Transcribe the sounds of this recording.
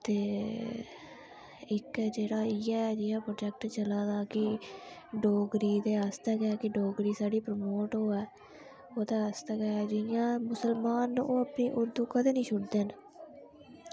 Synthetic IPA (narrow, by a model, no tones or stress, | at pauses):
t̪eː | ɪkɛːd͡ʒeːɽaːɪɛːd͡ʒɪːjãːpɾoːd͡ʒɛːk̚ʈt͡ʃəlãːd̪aːkɪ | ɖoːɡɾiːd̪eːast̪ɛːɡɛkɪɖoːɡɾiːsaːɖiːpɾəmoːʈɦoːɛː | oːt̪aːəst̪ɛːkɛːɛd͡ʒɪjãːmʊsəlmaːnːʔoːəpniːʔʊɾd̪uːkəd̪eːnĩːʃʰʊɽd̪eːn